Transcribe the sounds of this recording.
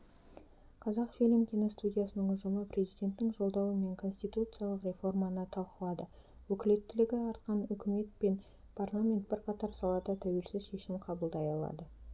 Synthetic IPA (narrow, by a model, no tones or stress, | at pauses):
qʰɑzɑqfilɪmkʲʰenost̪udʲijasənəɴʊʒəməpɾʲe̞zijd̪ʲe̞nt̪ːɪŋʒo̞lˠd̪ɑwəme̞ŋkʰo̞nsʲt̪ijt̪ut̪sɨjalˠəqrʲe̞fo̞rmɑnət̪ʰɑlˠqəlˠɑd̪ə | wɵkʲɪle̞t̪ːɪlɪɡʲɪɑɾt̪̚qɑnʏkʲʰɪme̞t̪̚pe̞n | pʰarlˠamʲe̞nt̪̚bɪɾqʰɑt̪ɑɾsɑlˠɑd̪ɑt̪ʰæwe̞lsɪzʃe̞ʃɪmqʰɑbəlˠd̪ɑjɑlˠɑ̰d̪ə